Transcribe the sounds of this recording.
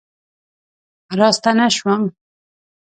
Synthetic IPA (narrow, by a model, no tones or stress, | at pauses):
ɾɑst̪anaʃwam